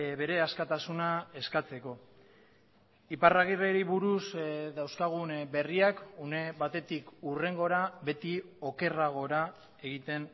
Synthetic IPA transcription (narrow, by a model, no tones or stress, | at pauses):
βe̞ɾe̞askat̪asunae̞skat͡se̞ko̞ | iparaɣireɾiβuɾusd̪awskaɣ̞unbe̞riakuneβat̪e̞t̪ikure̞ŋɡo̞ɾaβe̞t̪io̞ke̞raɣ̞o̞ɾa | e̞ɣit̪e̞n